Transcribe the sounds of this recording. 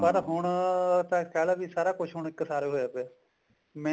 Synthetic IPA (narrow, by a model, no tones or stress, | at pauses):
pəɾɦʊɳt̪ãːkʰɛːlaːʋiːsaːɾaːkʊt͡ʃʰɦʊɳɪkːsaːɾeːɦoaːpe | mɛ̃